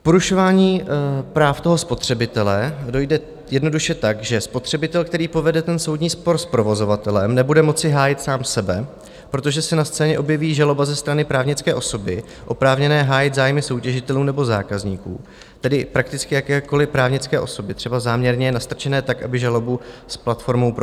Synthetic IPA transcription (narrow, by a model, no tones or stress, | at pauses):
po̞ɾuʃo̞vaːɲiːpɾaːft̪o̞ɦo̞spo̞t̪r̝̥ɛbɪt̪ɛlɛdo̞jdɛ | jɛdno̞duʃɛt̪aɡʒɛspo̞t̪r̝̥ɛbɪt̪ɛlk̚t̪ɛɾiːpo̞vɛdɛt̪ɛnso̞wdɲiːspo̞ɾspɾo̞vo̞zo̞vat̪ɛlɛmnɛbudɛmo̞t͡sɪɦaːjɪt̪saːmsɛbɛ | pɾo̞t̪o̞ʒɛsɛnast͡sɛːɲɛʔo̞bjɛviːʒalo̞bazɛst̪ɾanɪpɾaːvɲɪt͡skɛːʔo̞so̞bɪ | ʔo̞pɾaːvɲɛnɛːɦaːjɪt̪zaːjmɪso̞wcɛʒɪt̪ɛluːnɛbo̞za̰ːkazɲiːkṵː | t̪ɛdɪpɾak̚t̪ɪt͡skɪjakɛːko̞lɪpɾaːvɲɪt͡skɛːʔo̞so̞bɪt̪r̥ɛbazaːmɲɛɾɲɛjnast̪ɾt͡ʃɛnɛːt̪akʔa̰bɪʒalo̞busplat̪fo̞ɾmo̞wp